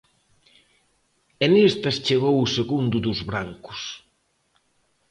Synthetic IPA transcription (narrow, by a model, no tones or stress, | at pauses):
enest̪ɐst͡ʃeɣowuseɣund̪ʊd̪uzβɾaŋkʊ̥s